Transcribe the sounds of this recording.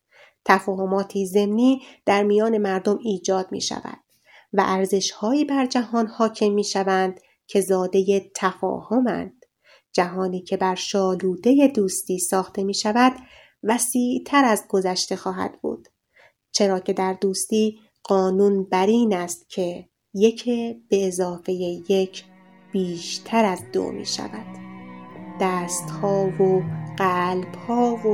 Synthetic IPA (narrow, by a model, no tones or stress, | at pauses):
t̪ʰæfɒːɦo̞mɒːt̪ʰiːze̞mniːd̪̥æɾmijɒːne̞mæɾd̪o̞miːd͡ʒɒːd̪̚mḭːʃæ̰væ̰d̪̥̚ | væ̰ʔæɾze̞ʃhɒːiːbæɾd͡ʒæhɒːnhɒːcʰe̞mːiːʃævænd̪̥ | cʰe̞zɒːd̪e̞jet̪ʰæfɒ̰ːho̞mæ̰nd̪̥ | d͡ʒæɦɒːniːcʰe̞bæɾʃɒːluːd̪e̞je̞d̪uːst̪iːsɒːxt̪e̞miːʃævæd̪ | væsiːʔt̪ʰæɾæzɡo̞zæʃt̪e̞xɒːɦæ̰d̪bṵːd̪̥ | t͡ʃʰe̞ɾɒːcʰe̞d̪æɾd̪uːst̪iː | ɢ̥ɒːnunbæɾiːnæst̪cʰe̞ | je̞cʰeb̥e̞ːzɒːfe̞jeje̞cʰ | b̥iːʃt̪ʰæɾæzd̪o̰mḭːʃæ̰væd̪̥ː | æːst̪hɒːvoɢ̥æːlb̥hɒːvo